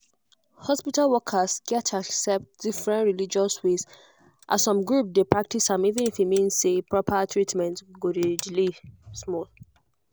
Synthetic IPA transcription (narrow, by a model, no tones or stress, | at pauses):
hɔspitalwɔkʰasɡɛtʰaksɛp̚t̚d̥ifɹɛ̃ntɹilid͡ʒɔswes | ʔasɔ̃mɡɹup̚depɹak̚tisãmivĩnifimĩnsepɹɔpʰatʰɹitmɛ̃ntɡodid͡ʒlismɔl